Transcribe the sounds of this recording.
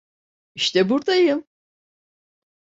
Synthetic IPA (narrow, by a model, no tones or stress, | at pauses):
iʃt̪ɛbuɾd̪ajɯm